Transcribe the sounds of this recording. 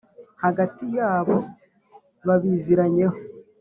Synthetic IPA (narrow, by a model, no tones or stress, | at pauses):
haɡatijaːβo̞ | βaβiziɾaɲe̞ho